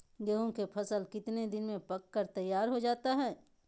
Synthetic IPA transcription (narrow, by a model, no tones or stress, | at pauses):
ɡeːɦõkepʰɐsəlkɪt̪ned̪ɪnmẽpɐkːəɾt̪ɐjːaːɾɦod͡ʒaːt̪aɦɛː